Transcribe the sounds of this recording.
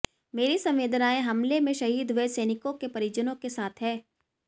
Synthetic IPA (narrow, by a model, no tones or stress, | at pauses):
meːɾisɐ̃mʋeːd̪ʱnaːẽɦɐmlemẽʃɐɦiːd̪ʋesɛːnɪkõkepɐɾid͡ʒənõkesaːt̪ʰɦɛː